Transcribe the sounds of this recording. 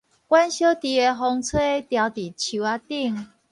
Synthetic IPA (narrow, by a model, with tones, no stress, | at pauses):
kwa˦nɕjo˦t̪i˨˩e˧˩ɦɔ˧ŋt͡sʰwe˥˦t̪ja˧ʊt̪i˨˩t͡ɕʰu˨˧˦a˦t̪i˥˧ŋ